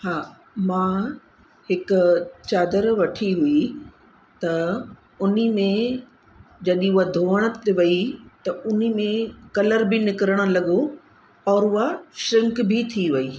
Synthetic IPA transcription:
haː | mãː | hɪkʊt͡ɕaːd̪əɾʋɐʈʰiɦui | t̪ɐ | ʊnimẽ | d͡ʑɐɗĩʊɦad̪ʱoːəɽ̃ə̆t̪eʋɐit̪ɐʊnimẽkɐləɾbɪnɪkəɾəɽ̃̆lɐɠo | ɔːɾʊɦaʃɾɪ̃ŋkbʱit̪ʰiʋɐiː

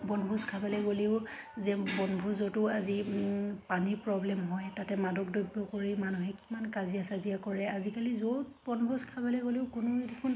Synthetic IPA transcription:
bɔnbʱuskʰabɛlɛɡoliʊzɛbɔnbʱuzotʊazipaniɹpɹɔblɛmɦɔjtatɛmadɔkdɔjbːɔkoɹimanuɦɛkimankazijasazijakɔɹɛazikalizotbɔnbʱuskʰabɛlɛɡoliʊkʊnʊetukʰun

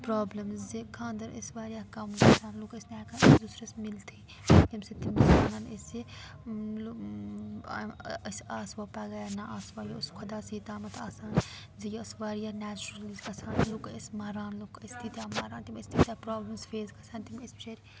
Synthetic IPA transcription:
pɾaːblɐmzzekʰãːnd̪ɐɾɐsʋaːɾijaːkɐmkɐsaːnlukɐsnaːkansd̪usɾɐsmilt̪ʰi | t̪imset̪imsaːnanese | l | saːsʋaːpaːɡɐjanaʔaːsʋaːjeʊskʰɐd̪aːsiːt̪aːmɐt̪aːsaːnzijɐsʋaːɾijaːnɛːt͡ʃɾɐlzkɐsaːnlukesmaːɾaːnlukɐst̪it̪jaːmaːɾaːnt̪imɐsʲt̪it̪aːpɾaːblɐmsfeːzkɐsaːnt̪imɐst͡ʃeɾ

